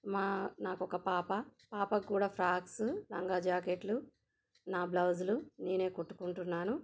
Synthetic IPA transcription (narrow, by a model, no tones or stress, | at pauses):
maːnaːkɔkɐpaːpɐpaːpɐkːuːɽaːpʰɾaːkslɐ̰ŋɡaːd͡ʒaːkeʈlu | naːblɐwd͡ʒluneːne̞ːkoʈːu̥kuɳʈunːaːnu